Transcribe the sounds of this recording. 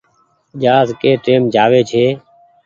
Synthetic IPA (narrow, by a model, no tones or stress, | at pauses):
ʄaːzkeːʈeːmd͡ʒaːʋeːt͡ʃʰeː